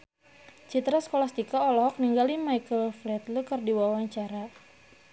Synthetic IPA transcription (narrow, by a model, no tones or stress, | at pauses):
t͡ʃit̪ɾaskolast̪ikaɔlɔɦɔk̚niŋɡalimajkəlflɛt̪lukərdiwawaɲt͡ʃaɾa